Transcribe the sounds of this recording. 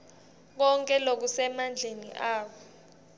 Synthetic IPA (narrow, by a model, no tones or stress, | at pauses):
k̬ɔŋkʼɛlok̬usɛmand͡ɮʱenḭʔaːk̬ɔ